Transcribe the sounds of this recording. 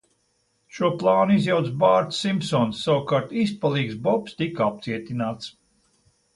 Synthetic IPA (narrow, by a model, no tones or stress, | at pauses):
ʃuɔplˠaːnuizjawt̪sbaːɾt̪ssimsɔnsːawkaɾt̪ispalˠiːksbɔpst̪ikap̚t̪siɛt̪ʲinaːt̪s